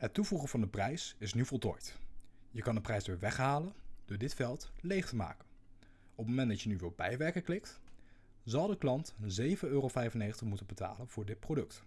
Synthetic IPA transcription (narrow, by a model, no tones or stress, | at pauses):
ɦətːuvuχənvɑndəprɛjsɪsnyvɔlˠtɔjtjəkɑndəprɛjsʋɪːɹʋɛχɦaːlənd̥ʊːɹdɪtfɛlˠtlejχtəma̰ːkən | ɔpmowmɛndɑtcjənyʋɪlˠbɛ̰jʋɛɹkəklɪkt | zɑwˠdəklɑntzejvənøːrofɛjvənejχəntəχmutəbəta̰ːlənv̥ʊːɹdɪt̚prowdɵk̚t